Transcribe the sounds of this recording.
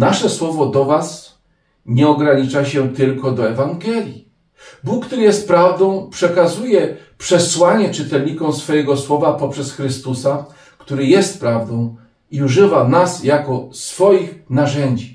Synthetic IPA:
naʂɛswɔvɔd̪ɔvas | ɲɛɔɡɾaɲit͡ʂaɕɛt̪ɘlkɔd̪ɔɛvaŋɡɛlʲji | bukːt̪uɾɘjɛst̪̚pɾavd̪ɔ̃w̃pʂɛkazujɛpʂɛswaɲɛt͡ʂɘt̪ɛlɲikɔ̃w̃sfɔjɛɡɔswɔvapɔpʂɛsxɾɘst̪usa | kt̪uɾɘjɛst̪̚pɾavd̪ɔ̃w̃ | iuʐɘvanasjakɔsfɔjixnaʐɛɲd͡ʑi

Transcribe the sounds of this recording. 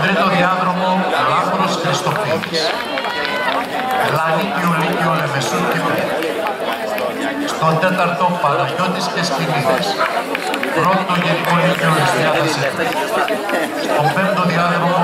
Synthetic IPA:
vɾit̪oðiɐðɾo̞molɐfɾosxɾist̪o̞piðis | lɐlicolicolevesoncepe | st̪ond̪et̪ɐɾt̪opɐnɐʝot̪iscespiniðɐs | pɾot̪t̪oʝenikolicolisiʎɐðɐsek | st̪o̞pemt̪oðiɐðɾomo

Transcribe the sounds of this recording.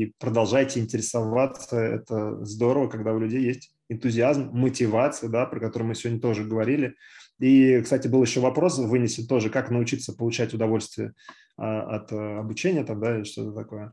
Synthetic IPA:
ipɾəd̪ɐlˠʐajtʲɪɪnʲtʲɪɾʲɪsɐvat̪səɛ̰t̪əzd̪o̞ɾəvəkɐɡd̪aʊlʲʉdʲejːesʲtʲ | ɪnt̪ʊzʲɪazmːətʲɪvat̪sɨjəd̪apɾəkɐt̪o̞ɾʊjmɨsʲɪvodʲnʲət̪o̞ʐɨɡəvɐɾʲilʲɪikst̪atʲɪbɨlˠjɪɕːo̞vɐpɾo̞svɨnʲɪsʲɪnt̪ːo̞ʐɨkaknəʊt͡ɕit̪səpəlˠʊt͡ɕætʲʊd̪ɐvo̞lʲst̪vʲɪə̰ | aɐ̰t̪ːɐbʊt͡ɕenʲɪjət̪amd̪aɪlʲɪʂt̪o̞t̪ət̪ɐko̞jə

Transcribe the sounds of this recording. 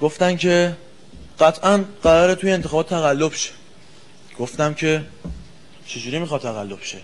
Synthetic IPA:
ɡ̥o̞ft̪æmcʰe̞ | ɢæt̪ʰʔænɢæɾɒːɾet̪ʰujeːnt̪ʰexɒːbɒːt̪ʰt̪ʰːæɣælːobʃe̥ | ɡ̥o̞ft̪æmcʰe̞ | t͡ʃʰe̞d͡ʒuːɾimixɒd̪̚t̪ʰæɣælːo̞b̥ʃe

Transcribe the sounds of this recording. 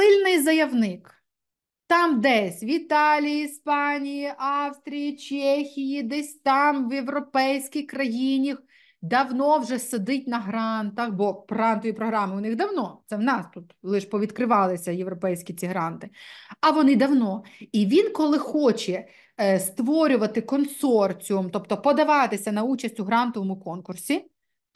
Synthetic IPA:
sɪlʲnɪjzɐjɐwnɪk | t̪ɑmd̪ɛsʲʋʲit̪ɑlʲijispɑnʲijiʔɑwst̪ɾʲijit͡ʃɛxʲijid̪ɛsʲt̪ɑmʋjewɾɔpɛjsʲkʲɪxkɾɐjinʲix | d̪ɐwnɔwʒɛsɐd̪ɪt̚ʲnɐɦɾɑnt̪ɐxbɔpɾɑnt̪ɔjʲipɾɔɦɾɑmɪʊnɪɣd̪ɐwnɔt̪sɛwnɑst̪ut̪lˠɪʃpɔʋʲid̪kɾɪʋɑlˠɪsʲɐjewɾɔpɛjsʲkʲit͡sʲiɦɾɑnt̪ɪɐʋɔnɪd̪ɐwnɔiʋʲinkɔlˠɪxɔt͡ʃɛ | st̪ʋɔɾʲʊʋɐt̪ɪkɔnsɔrt͡sʲiʊmt̪ɔpt̪ɔpɔd̪ɐʋɑt̪ɪsʲɐnɐut͡ʃɐsʲtʲʊɦɾɑnt̪ɔʋɔmʊkɔnkʊrsʲi

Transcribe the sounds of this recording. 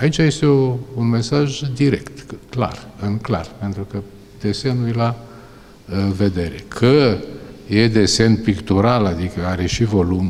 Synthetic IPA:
ait͡ʃaje̞st̪e̞ounme̞saʒd̪iɾe̞̰kt̪kla̰rɨŋkla̰rpe̞nt̪ɾukə | d̪̥e̞se̞nujla | ve̞d̪e̞ɾe̞̰kʰə | je̞d̪e̞se̞npikt̪uɾalad̪ikəaɾe̞ʃivo̞lum

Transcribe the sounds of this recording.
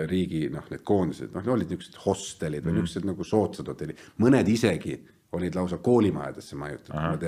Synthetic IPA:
riːɡino̞hned̪̥ko̞ːnd̪ised̪nohneo̞lːid̪nyksed̪̥ho̞st̪elid̪̥vɨjnyksːed̪nɑɡ̥uso̞ːt̪sɑt̪ut̪ːelʲi̥mɤne̞d̪ise̞ɡi | o̞lʲid̪̥lɑwsɑko̞ːlʲimɑ̰jɑ̰d̪̥esːemɑjut̪ːˑɑ̥mɑt̪e

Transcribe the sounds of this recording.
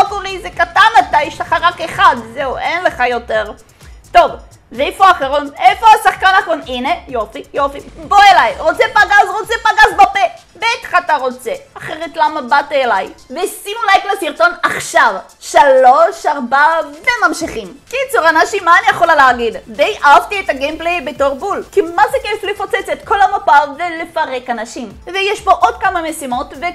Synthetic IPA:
okuʁizekat̪anmat̪ajʃlaχaʁakeχad̪zeuʔenle̞χajo̞teʁ | to̞v | veefoaχeʁonefo̞asaχkanakonine̞jo̞fijo̞fiboelajʁo̞t͡sepaɡazʁo̞t͡sepaɡazbape | beat̪χat̪aʁo̞t͡seaχeʁetlamabatelajvesinulajklesiʁto̞naχʃav | ʃalo̞ʃaʁbavemamʃiχimkit͡suʁanaʃimaːnijeχolaleaɡiddejʔaavtietaɡemplejbeto̞ʁbulkimazekeflefot͡set͡set̪ko̞lamapave̞lefaʁe̞kanaʃimvejeʃbo̞ʔo̞d̚kamamesimo̞tve

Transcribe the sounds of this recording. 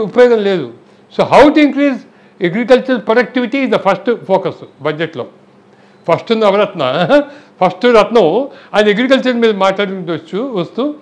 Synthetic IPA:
upɐjoːɡɐnɐleːd̪ṵ | soːɦawʈuiŋkɾiːs | eɡɾikɐlt͡ʃɐɾpɾɔɖɐk̚ʈiʋiʈiːzd̪ɐpʰɐɾsʈpʰoːkɐsbɐd͡ʒeʈloː | pʰɐsʈund̪ɐɐʋɐɾɐt̪nɐpʰɐsʈuɾɐt̪nɐwɐneɡɾik̬ɐlt͡ʃɐɾmiːd̪ɐmaːʈlaːɽiut͡ʃuʋɐt͡ʃːuʋɐst̪u

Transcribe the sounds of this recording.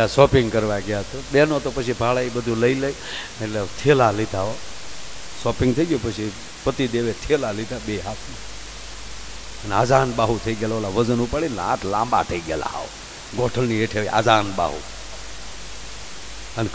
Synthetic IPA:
asɔpɪŋɡkəɾʋaɡjat̪obenot̪opət͡ʃʰibʱaɭaibəd̪ʱũləiləi | eʈlet̪ʰelalit̪aɦo | sɔpɪ̃ŋɡt̪ʰəiɡjopət͡ʃʰi | pət̪id̪eʋet̪ʰelalit̪abeɦaːt̪ʰma | ənaːd͡ʒaːnbaɦut̪ʰəiɡelʋalaʋəd͡ʒənupaɭinã̰ʈʰlãmba̰t̪ʰəiɡḛla̰a̰o̰ | ɡoʈʰəlnieʈʰeʋiʔa̰d͡ʒaːnba̰ɦṵ | ən

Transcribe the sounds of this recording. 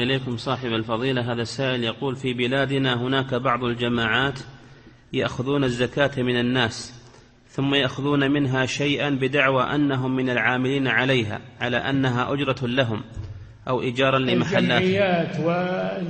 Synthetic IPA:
ʔɪleːkʊmsˤɑːħɪbalfɑðˤiːlaɦaːðasaːʔɪljɑquːlfiːbɪlaːd̪ɪnaɦʊnaːkabɑʕðˤald͡ʒamaːʕaːt̪ | ja̰ʔxʊðuːnazːakaːt̪mɪnanːaːs | θʊmːajaʔxʊðuːnamɪnɦaʃajʔanbɪd̪aʕwaʔa̰nːaɦʊmːɪnalʕaːmɪliːnʕalajɦa̰ːʕala̰ʔanːaɦaʔʊd͡ʒɾˤɑlaɦʊm | ʔawʔɪd͡ʒɑːɾˤɑnlɪmaħalːaːaːt̪wɪ

